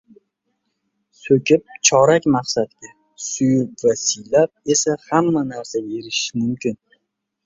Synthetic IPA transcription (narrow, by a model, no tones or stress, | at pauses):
sɵkʲɪp̚t͡ʃʰɒɾakʲmɑqsat̪ɡʲa | sʊjʊp̚vasɪjlap̚e̞sahamːanaɾsae̞ɾɪʃɪmʊmkʲɪn